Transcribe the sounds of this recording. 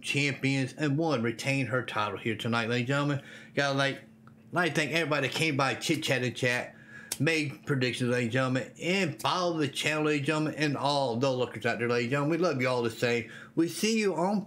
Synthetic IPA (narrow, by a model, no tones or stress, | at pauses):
t͡ʃʰæ̃mpiɨ̃nzɨ̃nwʌ̃nɹitʰẽɪ̃nə˞tʰaɪɾl̩ˠhiɹtʰɨnaɪt̚ˡleɪɾid͡ʒʌ̃mɨ̃nɡ̥ɑɾəlaɪk̚ | laɪθɪ̃ŋkɛvɹibɑɾiðɨkʰẽɪ̃mbaɪt͡ʃʰɪt̚t͡ʃʰæɾɨ̃nt͡ʃʰæt̚ | meɪd̚pʰɹ̥ɨdɪkʃɨ̃n̩leɪid͡ʒʌ̃mɨ̃nɨ̃nbaðɨt͡ʃʰæ̃nl̩ˠleɪɾid͡ʒʌ̃mɨ̃nɨ̃nɔlˠðoʊlʊkə̃zæt̚ə˞leɪɾid͡ʒʌ̃ʊmənwilʌvjɨɔlˠðɨsẽɪ̃m | wisijɨə̃n